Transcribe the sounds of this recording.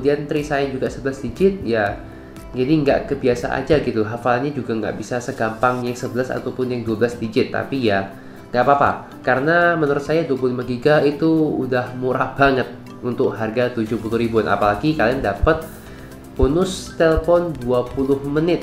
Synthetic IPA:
əmudiant̪ɾisajad͡ʒuɡaʔsəbəlasdid͡ʒɪt̪̚ja | d͡ʒadiəŋɡa̰ʔkəbiasa̰ʔa̰d͡ʒaɡit̪uɦafalanɲad͡ʒuɡaŋɡa̰ʔbisasəɡampaŋjaŋsəbəlasa̰t̪awpʊnjaŋduabəlasdid͡ʒɪt̪ːa̰pija | ŋɡaʔpaːpa̰ | kaɾənamənəɾʊt̪̚sajaduap̬ululimaɡiɡait̪ṵːdahmuɾahb̥aŋət̪̚ | unt̪ʊk̚ɦarɡat̪ud͡ʒʊhpulʊhɾibuanʔa̰palaɡikaliandapət̪̚ | b̥onʊst̪eləfɔnduapulʊhmənɪt̪̚

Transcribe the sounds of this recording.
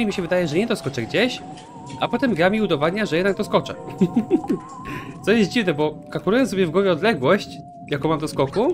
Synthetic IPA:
mʲiɕɛvɘd̪ajɛʐɛɲɛt̪ɔskɔt͡ʂɛɡd͡ʑeɕ | apɔt̪ɛmɡɾamʲiud̪ɔvad̪ɲaʐɛjɛd̪nak̚t̪ɔskɔt͡ʂɛ̰ | t̪sɔjɛst̪̚d͡ʑivnɛbɔkakuɾujɔnsɔbʲjɛvɡwɔvʲɛɔd̪lɛɡwɔɕt͡ɕ | jakɔ̃w̃mamd̪ɔskɔku

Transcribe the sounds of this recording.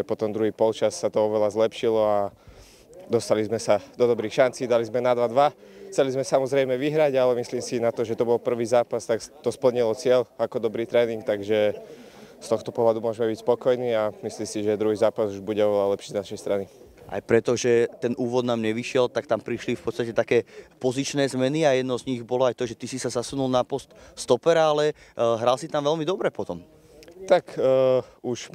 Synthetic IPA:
ɛpɔt̪ɔmd̪ɾuɦiːpɔlt͡ʃasːat̪ɔɔʋɛlazlɛpʃilɔa | d̪ɔst̪alizmɛsad̪ɔd̪ɔbɾiːxʃant͡siːd̪alizmɛnad̪ʋad̪ʋaxt͡sɛlizmɛsamɔzɾɛjmɛʋiɦɾaɟalɛmisliːmsinat̪ɔʒɛt̪ɔbɔlpr̩ʋiːzaːpast̪akt̪ɔspl̩ɲilɔt͡sɪɛʎakɔd̪ɔbɾiːt̪ɾɛːniŋkt̪aɡʒɛ | st̪ɔxt̪ɔpɔɦlad̪umʊɔʒɛmɛbicspɔkɔjniːamisliːmsiʒɛd̪ɾuɦiːzaːpazuʒbuɟɛɔʋɛlalɛpʃiːznaʃɛjst̪ɾani | ʔa̰jpɾɛt̪ɔʒɛt̪ɛnuːʋɔd̪naːmɲɛʋiʃɪɛlt̪akt̪ampɾiʃlifpɔt̪st̪acɛt̪akɛːpɔzit͡ʃnɛːzmɛniajɛd̪̚nɔzɲiɣbɔlɔajt̪ɔʒɛt̪isisazasunulnapɔst̪st̪ɔpɛɾaalɛɦɾalsit̪amʋɛlmid̪ɔbɾɛpɔt̪ɔm | t̪ak | uʃ

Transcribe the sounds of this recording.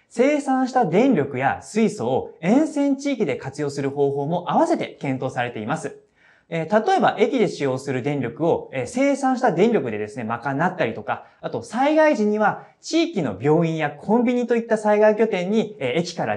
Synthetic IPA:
se̞ːsãɰ̃ɕi̥t̪ad̪ẽ̞nɾʲo̞kɯ̟ja̰sɨiso̞ːẽ̞ɰ̃sẽ̞ɲt͡ɕiːkʲid̪e̞kat͡sɨjo̞ːsɨɾɯ̟ho̞ːɦo̞ːmo̞ʔaβase̞t̪e̞kẽ̞nt̪o̞ːsaɾe̞t̪e̞imasɨ | et̪at̪o̞e̞baʔe̞kʲid̪e̞ɕijo̞ːsɨɾɯ̟d̪ẽ̞nɾʲokɯ̟o̞ese̞ːsãɰ̃ɕit̪ad̪ẽ̞nɾʲo̞kɯ̟d̪e̞d̪e̞sɨne̞makanːat̪ːaɾʲit̪okaat̪o̞saiɡaiʑiɲ̟iβa | t͡ɕiːkʲino̞̰bʲo̞ːĩɰ̃jakʰõ̞mbʲiɲ̟it̪o̞it̪ːasaiɡaikʲo̞t̪ẽ̞ɲ̟ːieekʲi̥kaɾa̰

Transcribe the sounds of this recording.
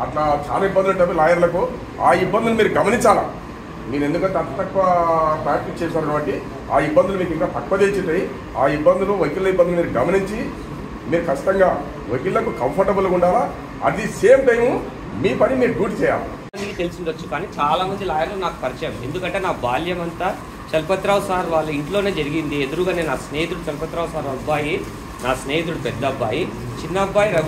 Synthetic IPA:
ɐʈlaːt͡ʃa̰ːlaːibːɐnd̪uʈt̪ɐbːilaːjɐɾlɐku | aːibːɐnd̪ulmiːɾuɡɐmɐniɲt͡ʃaːla̰ː | miːɾe̞nd̪ukɐɳʈeɐt̪ɐt̪ɐkʋɐpɾaːk̚ʈik̚t͡ʃɛːʃaːɾɐʈuʋɐɳʈi | aːibːɐnd̪ulumiːk̬iŋkaːt̪ɐkːɐd̪et͡ʃit̪ːɐji | aːibːɐnd̪uluʋɐkilɐibːɐnd̪unumiːɾuɡɐmɐniɲt͡ʃi | miːɾukʰɐt͡ʃːi̥t̪ɐŋɡaː | ʋɐkillɐkukɐmpʰɐɾʈɐbulːɐkuɳɖaːla | ɐ̰d̪iseːmʈɐjmu | miːpɐnimiːɾuɡuːʈt͡ʃɛːja̰ːlṵ | ɐnd̪ikit̪e̞lusiɳɖɐt͡ʃːukaːniːt͡ʃaːlaːmɐnd̪ilaːjɐnloːnaːku̥pɐɾit͡ʃɐjɐme̞nd̪ukɐɳʈe̞ːnaːbaːljɐmɐnt̪aː | t͡ʃɐlpɐt̪ɾaːwsaːɾʋaːɭːuiɳʈlo̞ːne̞ːd͡ʒɐɾiɡind̪ied̪uɾuɡaːneːnaːsneːit̪̬uɽut͡ʃɐlpɐt̪ɾaːwsaːɾɐbːaːji | naːsneːit̪uɽupɛd̪ːɐbːaːji | t͡ʃinːɐbːaːjiɾɐ

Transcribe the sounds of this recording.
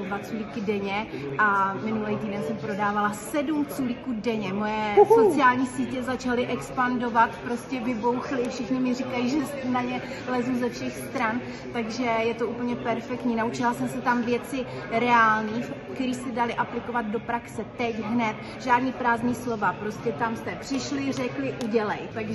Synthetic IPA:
dvat͡sulikɪdɛɲɛʔamɪnulɛjt̪iːdɛnsɛmpɾo̞daːvalasɛdumt͡sulikuːdɛɲɛmo̞jɛsot͡sɪaːlɲiːsiːcɛzat͡ʃalɪʔɛkspando̞vat̪pɾo̞scɛbɪbo̞wxlɪfʃɪxɲɪmɪrikajiːʒɛsnaɲɛ | lɛzuzɛfʃɛxst̪ɾan | t̪aɡʒɛjɛt̪o̞ʔupl̩ɲɛpɛɾfɛk̚t̪ɲiːnaut͡ʃɪlasɛmsɛt̪amvjɛt͡sɪ | ɾɛaːlniːfkt̪ɛɾiːsɛdalɪʔaplɪko̞vad̪̚do̞pɾaksɛt̪ɛcɦnɛt̪ | ʒaːdniːpɾaːzniːslo̞vapɾo̞scɛt̪amst̪ɛpr̝̥ɪʃlɪr̝ɛklɪʔuɟɛlɛjt̪aɡʒ

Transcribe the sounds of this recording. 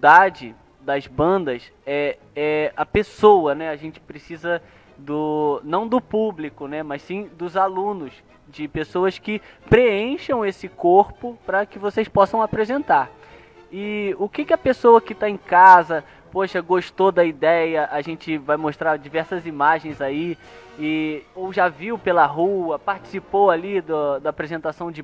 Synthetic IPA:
d̪ad͡ʒɪ | d̪ɐzbɐ̃nd̪ɐsɛ | ɛɐpesowɐnɛaʒẽt͡ʃɪ̥pɾesizɐ | d̪ʊnɐ̃w̃d̪ʊpublikʊnɛmɐssĩd̪ʊzalũnʊs | d͡ʒɪpesowɐskɪpɾeẽʃɐ̃w̃esɪkoɾpʊpɾɐkɪvosejspɔsɐ̃w̃apɾezẽnt̪aɾ | ɪʊkɪkɪɐpesowɐkɪt̪aẽkazɐ | poʃɐɡoʃt̪od̪ɐid̪ɛjɐʔaʒẽnt͡ʃɪvajmoʃt̪ɾaɾd͡ʒivɛɾsɐzimaʒẽj̃zaiɪowʒaviwpelɐɦuɐpaɾt͡ʃi̥sipowalid̪ʊd̪ɐːpɾezẽnt̪asɐ̃w̃d͡ʒɪ

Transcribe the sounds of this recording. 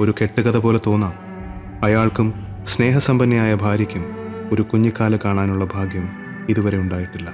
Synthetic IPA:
o̞ɾuke̞ʈːuɣɐðɐpo̞ːle̞t̪o̞ːnːaːm | ɐjaːɭkum | sne̞ːɦɐsɐmbɐnːɐjaːjɐbʱaːɾjɐkʲːumo̞ɾukuɲːikːaːlɐkaːɳaːnuɭːɐbʱaːɡjɐm | iðuʋɐɾe̞uɳɖaːjiʈːilːɐ

